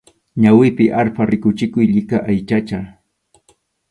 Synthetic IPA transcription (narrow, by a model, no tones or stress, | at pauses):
ɲawɪpɪʔaɾpaɾɪkʊt͡ʃɪkʊjʎɪkaʔajt͡ʃat͡ʃa